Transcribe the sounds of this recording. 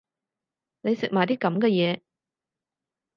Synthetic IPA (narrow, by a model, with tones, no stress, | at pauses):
ne˨˧jsɪ˨k̚maː˨˩jt̪iː˥kɐ˨˥mkɛː˧jɛː˨˧